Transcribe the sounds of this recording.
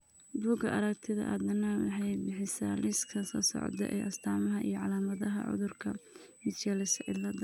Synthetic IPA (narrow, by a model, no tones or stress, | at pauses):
buːɡɐʔɐɾɐkt̪ʰɪðɐ̰ʔɐd̪ɐnɐwɑħɑjbɪħɪsaːlɪskʰɐsɔɐsɔ̰ʕd̪ɛ̰ʔɛ̰jʔɐst̪ʰaːmɐɦɐʔḭjɞʕɑ̰laːmɐðɐɦɐ̰ʕʊ̰ðʊrkʰɐmɪt͡ʃɛlɪsɐʔɪlɐd̪ɐ